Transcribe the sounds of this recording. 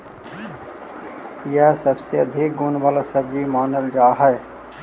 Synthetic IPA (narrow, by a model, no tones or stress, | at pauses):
jɛɦsəbseəd̪ʱɪk̚ɡʊnʋaːlasəbd͡ʒimaːnəld͡ʒaːɦɛ